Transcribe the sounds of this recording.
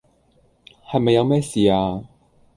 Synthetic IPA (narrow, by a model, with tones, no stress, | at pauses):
hɐ˨jmɐ˨jːɐ˧wmɛː˥siː˨aː˧